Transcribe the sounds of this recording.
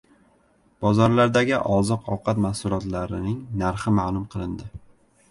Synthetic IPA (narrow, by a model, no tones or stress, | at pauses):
b̥ɒzɒɾlaɾd̪aɡʲɪʔɒzɨqʰɒwqʰɑt̪masʊlˠɒt̪laɾɪnɪŋnaɾχɪmalˠʊmqʰɨlˠɪnd̪ɪ